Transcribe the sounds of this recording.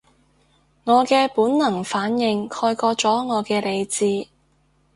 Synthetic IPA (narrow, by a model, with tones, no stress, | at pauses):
ŋɔː˨˧kɛː˧puː˨˥nnɐ˨˩ŋfaː˨˥njɪ˧ŋkʰɔː˧jkɔː˧t͡sɔː˨˥ŋɔː˨˧kɛː˧le˨˧jt͡siː˧